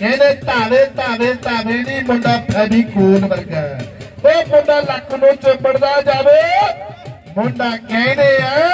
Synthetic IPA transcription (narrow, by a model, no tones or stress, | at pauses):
keːneːt̪aːʋeːt̪aːʋeːt̪aːʋeːniːmõːɳɖaːpɛːbiːkoːnbəɾɡaːt̪oːmõːɳɖaːləkʰːnõːt͡ʃəbəɽd̪aːd͡ʒaːʋeː | moɳɖaːkɛːneːaː